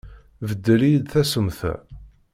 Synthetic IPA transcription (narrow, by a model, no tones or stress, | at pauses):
vəd̪ːəlijd̪θæsəmθæ̰